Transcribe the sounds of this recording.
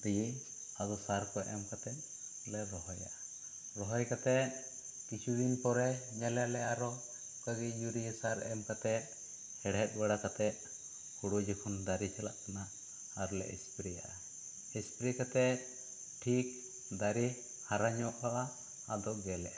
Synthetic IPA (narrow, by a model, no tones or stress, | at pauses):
ɾij | ad̪ɔsaɾkɔʔɛmkat̪ɛt̪̚ | lɛɾɔɦɔja̰ʔa | ɾɔɦɔjkat̪ɛt̪̚ | kit͡ʃʰud̪inpɔɾɛɲalalɛʔaɾɔ | kaɡijuɾijɛsaɾɛmkat̪ɛt̪̚ˀ | hɛɽɦɛt̪̚ˀbaɽakat̪ɛt̪̚ˀ | huɽud͡ʒɛkʰɔnd̪aɾit͡ʃʰɛlaʔk̪anaː | ɾɔlɛ̰ʔɛspɾija̰ʔa | ɛspɾikat̪ɛt̪̚ | ʈʰik̚ | d̪aɾi | haɾaɲɔʔaʔaː | d̪ɔɡɛlɛʔa